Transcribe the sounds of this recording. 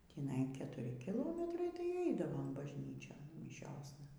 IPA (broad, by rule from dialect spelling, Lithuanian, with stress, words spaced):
tʲiːˈnɐɪ kʲɛtʊˈrʲɪ kʲɪˈlˠoːmʲɛtrɐɪ tɐɪ ˈɛɪdɐʋoːm bɐʒʲˈnʲiːt͡ʃʲoːn mʲɪˈʃʲoːsnɐ